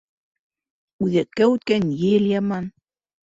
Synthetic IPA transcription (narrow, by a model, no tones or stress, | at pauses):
uðɛkːɛut̪̚kɛnjeljaman